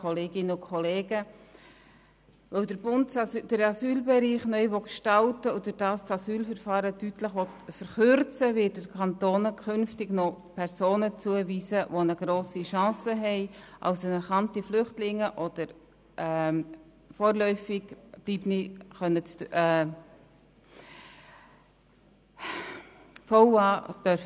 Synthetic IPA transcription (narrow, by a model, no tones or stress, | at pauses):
kʰɔleːɡɪnəʊkʰχɔleːɡə | vœwdəɾbʊntd̥əɾɑsyːlbɛɾiːχnœʏʋɔkʃtɑltəodəɾd̥ɑːst͡sɑsyːlfəɾfɑːɾətytləχʋɔtfəɾχøɾt͡səvɪt̚dəkʰɑntoːnəkʰʏnftɪɡnɔpʰɛɾsoːnət͡suəviːzəʋonəɡ̥ɾoːsiʃɑ̃ːsəɦɛɪʔɑ̰ʊsənɛɾχɑntiflʏχtlɪŋːəʔɔd̥əɾ | ɛ | foːɾlœʏfɪɡ̥b̥liːpniχœnːət͡sː | fɔwɑːd̥œɾf